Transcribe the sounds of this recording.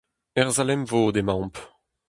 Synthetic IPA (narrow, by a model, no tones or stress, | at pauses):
ɛʁzalɛmvoːd̪emɑ̃p